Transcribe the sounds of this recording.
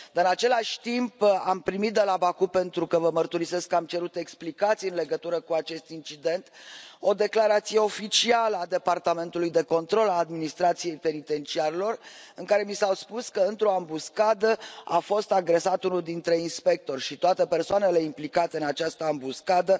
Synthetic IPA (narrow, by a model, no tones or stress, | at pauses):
d̪ɨnat͡ʃe̞laʃʲt̪impampɾimit̪̚d̪elabakupe̞nt̪ɾukəvəmərt̪uɾise̞skːamt͡ʃe̞ɾut̪e̞ksplikat̪sijɨnle̞ɡət̪uɾəkuat͡ʃe̞st̪int͡ʃid̪e̞nt̪o̞d̪e̞klaɾat̪sije̞o̞fit͡ʃialəad̪e̞part̪ame̞nt̪ulujd̪e̞ko̞nt̪ɾo̞laːd̪minist̪ɾat̪sije̞jpe̞nit̪e̞nt͡ʃiaɾelo̞rɨŋkaɾe̞misawspuskəɨnt̪ɾo̞ambuskad̪əafo̞st̪aɡɾe̞sat̪unuld̪int̪ɾe̞inspe̞k̚t̪o̞rʲʃit̪oat̪e̞pe̞rsoane̞le̞implikat̪eɨnat͡ʃast̪əambuskad̪ə